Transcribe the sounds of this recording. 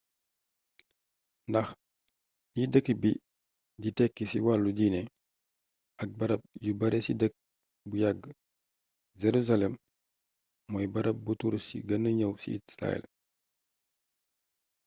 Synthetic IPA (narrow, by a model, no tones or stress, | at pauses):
ndɐx | jidəkːibi | ɟitɛkːisiwalːuɟinɛ | ɐk̚bɐɾɐp̚ɟubɐɾɛsidək̚ | bujaɡː | zɛɾuzalɛm | ɔjbɐɾɐp̚butuɾsḭɡɐnəɲɐwsḭisɾa̰ɛ̰l